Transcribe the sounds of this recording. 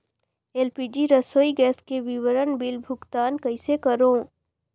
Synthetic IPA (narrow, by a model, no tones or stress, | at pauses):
eːlpiːd͡ʒiɾɐsoːiɡɛːskeʋɪʋəɾənbɪlbʱʊɡt̪aːnkɐɪsekɐɾõː